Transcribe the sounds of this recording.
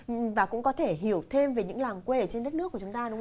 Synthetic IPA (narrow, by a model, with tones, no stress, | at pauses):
vaː˨˩kʊ̰˧˥ŋ͡mkɔ˨˦t̪ʰe˧˩ɦi˧˩əwt̪ʰe˧mve˨˩ɲɨ̰˧˥ŋlaː˨˩ŋkwe˧˨˩t͡ɕe˧nɗə˦˥t̚nɨ˦˥ku˧˩ət͡ɕʊ˨˦ŋ͡mt̪aː˧ɗʊ˨˦ŋ͡m